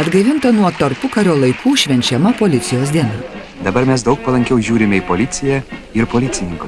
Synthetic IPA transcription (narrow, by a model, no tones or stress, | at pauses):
ɐd̪ɡɐʋʲɪnt̪ɐnuɔt̪ɐɾpʊkɐɾʲoːlˠɐɪkʰuːʃʲʋʲɛnʲt͡ʃʲɛmɐpoːlʲɪt̪sʲɪjoːs̬d̪ʲiɛnɐ | d̪ɐbɐɾmʲɛs̬d̪ɐʊk̚pɐlˠɐŋʲkʲɛʊʒʲuːɾʲɪmʲɛɪpoːlʲɪt̪sʲɪjɛɪɾpoːlʲɪt̪sʲɪnʲɪŋkʊs